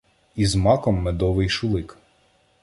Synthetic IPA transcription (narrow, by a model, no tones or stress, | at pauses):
izmɑkɔmːɛd̪ɔʋɪjʃʊlˠɪk